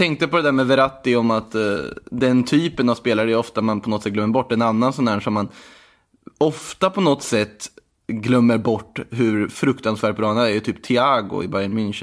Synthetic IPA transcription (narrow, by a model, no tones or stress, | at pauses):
t̪ʰɛŋk̚t̪əpɔd̪ɛd̪æːɾmɛvɛɾat̪ːɪɔmat̪d̪ɛnt̪ʰyːpənavspeːlaɾɛjɔft̪amanpʰɔnɔt̪sɛt̚ɡlœmːəɾbɔʈːɛnanːansɔnːhæːʂɔmːan | ɔft̪apʰɔnɔt̪sɛt̪ː | ɡlœmːəɾbɔʈːɦɵɾfɾɵkt̪ansvæːʈ̚bɾɑːnad̪æɾjɵt̪ʰyːp̚t̪ʰɪaːɡʊ̰ɪ̰baɾjɛnmɪnʃ